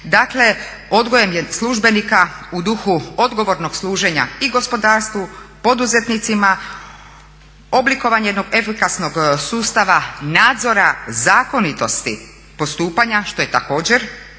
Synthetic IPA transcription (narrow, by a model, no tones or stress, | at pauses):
d̪akle̞ | o̞d̪ɡoje̞mjeslˠuʒbe̞nikaud̪uxuo̞d̪ɡo̞ʋo̞ɾno̞ɡ̥slˠuːʒe̞ɲa̰iɡo̞spo̞d̪aːɾst̪ʋupo̞d̪uze̞t̪nit̪sima | o̞bliko̞ʋaɲejeno̞ɡe̞fikasno̞ɡsuːst̪aʋanaːd̪zo̞ɾazaːko̞nit̪o̞st̪i | po̞st̪uːpaɲaʃt̪o̞je̞t̪ako̞ːd͡ʑe̞ɾ